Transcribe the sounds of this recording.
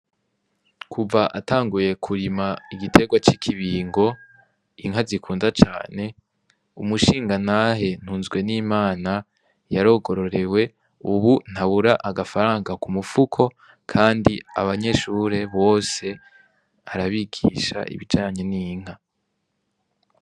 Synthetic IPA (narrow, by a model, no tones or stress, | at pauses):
kʰuvaʔataːŋɡuje̞kʰuɾimaiɡitʰe̞ɡwat͡ʃikʰiβiːŋɡo̞ | iŋɦazikʰuːnzat͡ʃa̰ːne̞ | umuʃiːŋɡanaːɦe̞n̥huːnzɡwe̞niːmaːna | jaɾo̞ːɡo̞ɾo̞ɾe̞we̞ | uβun̥haβuɾaʔaɡafaɾaːŋɡakumufukʰo̞ | kʰaːndia̰βaɲe̞ʃuɾe̞βo̞ːse̞ | aɾaβiɡḭʃa̰ʔḭβid͡ʒaːɲe̞niːŋ̥a